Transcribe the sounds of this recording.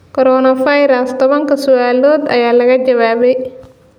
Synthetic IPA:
kɔɾɔːnɐfɐjɾɐst̪ɐβɐŋkɐsuaːloːd̪ɐ̰jaːlɐɣɐd͡ʒɐwaːbɛj

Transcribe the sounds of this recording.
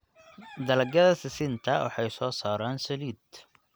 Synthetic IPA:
d̪ɐlɐɡɐðɐsɪsɪnt̪ʰɐwɑ̰ħɑjsɔːsaːɾaːnsɐliːd̪

